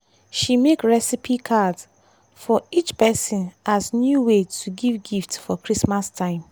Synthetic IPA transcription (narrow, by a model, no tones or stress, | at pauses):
ʃimekɹɛsipʰikʰadz | fɔit͡ʃpɛsĩnʔaznjuwetʰuɡivɡiftfɔkɹismastʰãɪ̃m